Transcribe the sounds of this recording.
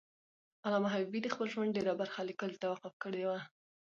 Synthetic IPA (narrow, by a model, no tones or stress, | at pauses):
alɑmaɦaibid̪əxpəlʒwand̪̚ɖeɾabaɾxalikəlt̪awaqʊfkəɽewa